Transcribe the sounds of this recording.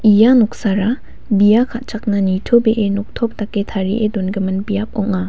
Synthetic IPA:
ijanuk̚saɾa | bijakʰaʔ̚t͡ʃak̚nɐnitʰobeʔenɔk̚tʰɔp̚taketʰaɾiʔedɔnɡɐmɐnbijap̚ɔŋa

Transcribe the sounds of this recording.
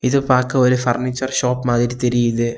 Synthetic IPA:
ɪðɯpaːɾkɐɐlifɐɾnɪt͡ʃːɐɾʃoːpmaːðɪɾit̪ɛɾɪjɪðɯ

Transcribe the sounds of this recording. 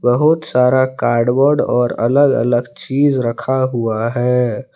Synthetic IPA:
bəɦʊt̪saːɾakaːɾɖbɔːɾɖɔːɾə̰ləɡə̰ləɡt͡ʃiːd͡ʒɾəkʰaɦuaɦɛː

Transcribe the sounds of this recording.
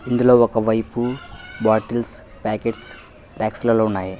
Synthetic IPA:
ind̪ulo̞ːɔkɐʋɐjpubaːʈels | paːkeʈs | ʈaːkslɐloːunːaːji

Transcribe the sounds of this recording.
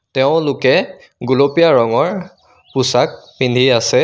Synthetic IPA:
tɛʊ̃lʊkɛ | ɡulopijaɹɔŋɔɹ | pusak̚pindʱiasɛ

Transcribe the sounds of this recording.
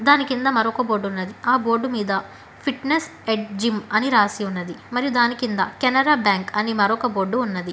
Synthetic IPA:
d̪aːnikind̪ɐmɐɾɔkɐboːɖunːɐd̪iaːbo̞ːɾɖumiːd̪ɐ | pʰiʈneseɖd͡ʒimɐniɾaːsiunːɐd̪imɐɾijud̪aːnikind̪ɐ̰kɛnɐɾaːbjaːŋkɐnimɐɾɔkɐbo̞ːɖːuunːɐd̪i

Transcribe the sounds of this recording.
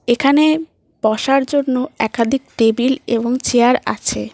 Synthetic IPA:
ekʰane | bɔʃaɾd͡ʑonːoɛkad̪ʱik̚ʈebilḛboŋt͡ɕeaɾa̰t͡ɕʰe

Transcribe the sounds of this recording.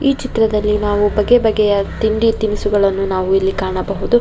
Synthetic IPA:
iːt͡ʃit̪ɾɐd̪ɐlːinaːʋubɐɡːebɐɡːɛjɐt̪iɳɖit̪imisuɡɐɭɐnːunaːʋuilːikaːɳɐbɐɦud̪u

